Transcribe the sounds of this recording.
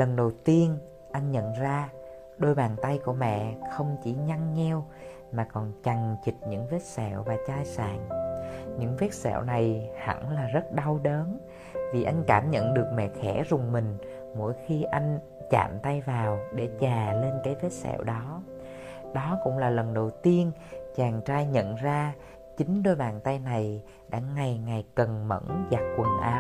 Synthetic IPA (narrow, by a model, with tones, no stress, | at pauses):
lə˨˩nɗə˨˩wt̪i˧ən | ʔa˧jŋ̟ɲə̰˧˨nzaː˧ | ɗo˧jɓaː˨˩nt̪a˧jku˧˩əmɛ̰˧˨xə˧wŋ͡mt͡ɕi˧˩ɲa˧ŋːɛ˧w | maː˨˩kɔ˨˩nt͡ɕa˨˩ŋt͡ɕi˨˩t̚ɲɨ̰˧˥ŋvɛ˦˥t̚sɛ̰˧˩˨wvaː˨˩t͡ɕaː˧jsa̰ː˧˩˨ŋɲɨ̰˧˥ŋvɛ˦˥t̚sɛ̰˧˨wna˨˩jha̰˧˩nlaː˨˩zə˦˥t̚ɗa˧wɗəː˨˦n | vi˨˩ʔa˧jŋ̟kaː˧˩mɲə̰˧˨nɗɨ˨˩ək̚mɛ̰˧˨xɛ˧˩zʊ˨˩ŋ͡mmï˨˩ŋ̟ | mo̰˧˥jxi˧ʔa˧jŋ̟ | t͡ɕa̰ː˧˨mt̪a˧jvaː˨˩wɗe˧˩t͡ɕaː˨˩le˧nkaː˨˦jvɛ˦˥t̚sɛ̰˧˨wɗɔ˨˦ | ɗɔ˨˦kʊ̰˧˥ŋ͡mlaː˨˩lə˨˩nɗə˨˩wt̪i˧ənt͡ɕaː˨˩ŋt͡ɕaː˧jɲə̰˧˨nzaː˧ | t͡ɕï˨˦ŋ̟ɗo˧jɓaː˨˩nt̪a˧jna˨˩j | ɗa̰ː˧˥ŋa˨˩jŋa˨˩jkə˨˩nmə̰˧˥nza˨˩t̚kwə˨˩nʔaː˨˦